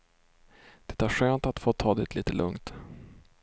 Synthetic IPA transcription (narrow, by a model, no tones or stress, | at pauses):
d̪̥ɛ̥t̪ʰaɧøːnt̪at̪foːt̪ʰɑːd̪ɪt̪ʰliːt̪əlʔɵ̰ŋt̪